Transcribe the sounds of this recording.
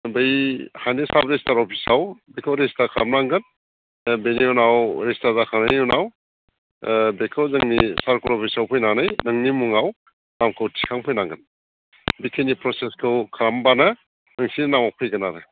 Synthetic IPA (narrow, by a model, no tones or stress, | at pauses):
bɐjhajnisabɾestaɾɔpʰisawbekʰawɾestakʰaɾamnaŋɡɯn | beniɔnawɾestaɾdakʰanajɔnaw | bekʰawzɯŋnisaɾkuɾɔpʰisawpʰɔjnanajnɐŋnimuŋaw | namkʰɯwtʰi̥kʰaŋpʰɔjnaŋɡɯn | bikʰenipɾɔseskʰɯwkʰaɾambanɐ | nɯŋsinnamawpʰɯjɡɐnaɾɯ